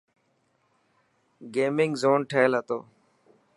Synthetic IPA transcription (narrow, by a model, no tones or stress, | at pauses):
ɡeːmɪŋɡzoːnʈʰeːlɦət̪o̰ː